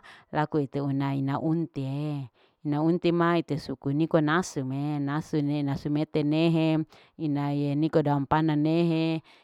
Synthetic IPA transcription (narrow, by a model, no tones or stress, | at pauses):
lakuit̪eunainaʔunt̪ie | inaunt̪imait̪esukunikonasumenasunenasumet̪eneɦe | inajenikodampananeɦe